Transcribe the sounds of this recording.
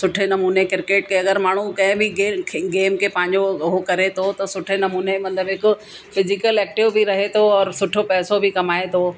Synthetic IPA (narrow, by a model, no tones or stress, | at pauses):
sʊʈʰenɐmuːnekɪɾkeːʈkʰeɐɡəɾmaːɽ̤̃ukɐ̃ɦɪ̃bʱɪeɡeːmkʰepɐ̃ɦɪ̃ɲd͡ʑoɦokɐɾet̪ʰot̪ɐsʊʈʰenɐmuːnemɐt̪ləbɦɪko | fʰɪzɪkəlɛːk̚ʈɪʋbʱiɾɐɦet̪ʰoɔːɾsʊʈʰopɛːsobʱɪkɐmaːet̪ʰoː